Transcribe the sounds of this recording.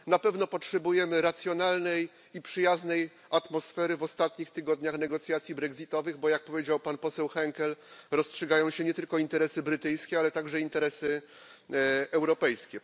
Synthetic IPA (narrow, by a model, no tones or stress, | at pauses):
napɛvnɔpɔtʂɛbujɛmɘɾat̪sʲjɔnalnɛj | ipʂɘjaznɛj | at̪mɔsfɛɾɘvɔst̪at̪ɲixt̪ɘɡɔd̪ɲaxnɛɡɔt̪sʲjat̪sʲjibɾɛɡzʲit̪ɔvɘɣbɔjak̚pɔvʲjed͡ʑawpanpɔsɛwxɛŋkɛlɾɔstʂɛɡajɔ̃w̃ɕɛɲɛt̪ɘlkɔint̪ɛɾɛsɘbɾɘt̪ɘjskʲɛalɛt̪aɡʐɛint̪ɛɾɛsɘ | ɛwɾɔpɛjskʲɛ